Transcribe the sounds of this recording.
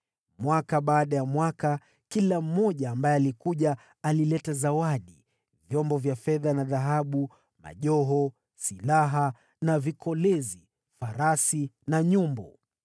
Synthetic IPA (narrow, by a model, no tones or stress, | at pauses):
mwakaɓaːɗajamwaka | kilam̩mɔʄaːmbajɛalikuʄaː | lilɛtazawaɗi | vjɔmbɔvjafɛðanaðaɦaɓu | ma̰ʄɔɦɔ | silaɦa | navikʰɔlɛzi | faɾasinaɲumbɔ